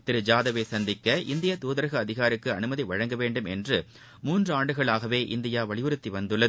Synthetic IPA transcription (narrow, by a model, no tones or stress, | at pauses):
t̪ɪɾɯd͡ʒaːðɐʋesɐnd̪ɪkːɐʔɪnd̪ɪjat̪uːðɐɾɐɣɐːðɪɣaːɾɯkːɯɐnɯmɐðiʋɐɻɐŋɡɐʋeːɳɖɯmɛ̰ndrɯ | muːndrɯaːɳɖɯɣɐɭaːɣɐʋeːʔɪnd̪ɪjaːʋɐɭɪʋɯɾɯt̪ːiʋɐnd̪ɯɭːɐðɯ